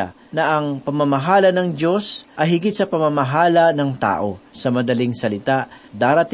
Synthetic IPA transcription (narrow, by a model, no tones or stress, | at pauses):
a̰ | nɐʔɐŋpɐmɐmɐɦaːlɐnɐŋd̪o̞sʔɐjɦɪɡɪt̪̚sɐpɐmamɐɦaːlɐnɐŋt̪a̰ːʔo̞sɐmɐd̪ɐliŋsɐlɪt̪ad̪aːɾɐt̪